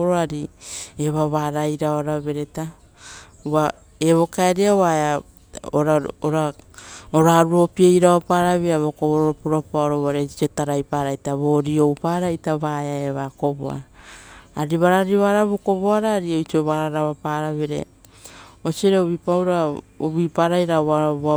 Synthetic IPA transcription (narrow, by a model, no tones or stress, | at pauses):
ɾoaɾieβaβaɾajɾaoaɾaβe̞ɾe̞ta | ua | eβo̞kaeɾiaoβaea | oɾaoɾa | oɾaɾuo̞piejɾaβapaːɾaβeaβokoβoɾoɾopuɾapaoɾoβaɾet͡ʃiotaɾajpaɾajtaβo̞ɾio̞wpaːɾajtaβaeaeβako̞bo̰a̰ː | ɾiβaɾaɾiβaɾaβoko̞βoaɾaːɾiot͡ʃioβaɾaɾaβapaːɾaβeɾḛ | osioɾeoβipawɾao̰βipaɾajɾaaβa